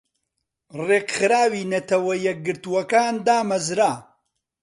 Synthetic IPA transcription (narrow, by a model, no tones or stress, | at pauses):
reːqχɨɾaːwiːnɐt̪ɐwɐjɛk̚ɡɨɾt̪uwɐkaːnd̪aːmɐzɾaː